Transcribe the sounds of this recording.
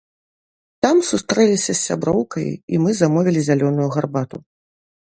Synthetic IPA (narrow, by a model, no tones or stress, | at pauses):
t̪amsust̪ɾɛlʲisʲɐsːʲabɾɔwkɐjḭmɨzamɔvʲilʲizʲalʲɔnujuɣarbat̪u